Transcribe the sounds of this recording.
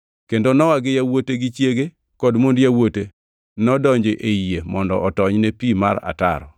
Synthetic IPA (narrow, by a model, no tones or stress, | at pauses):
kendonɔwaɡɪjawoteɡit͡ʃjeɡe | kɔdmondjawote | nɔdɔɲd͡ʒeʔeiemɔndɔ̰ʔɔtɔɲnepima̰ɾa̰ta̰ɾɔ̰